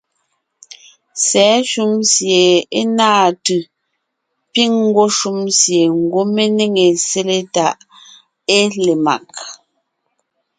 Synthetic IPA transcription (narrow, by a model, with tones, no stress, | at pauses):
sɛ˨˦ʃu˦msje˨e˦naː˦˨tʉ˨ | pi˦ŋŋ˦ɡwo˦ʃu˦msje˨ŋ̩˨ɡwo˦me˦ne˦ŋe˨se˦le˦ta˨ʔ | e˦le˨ma̰˨k̚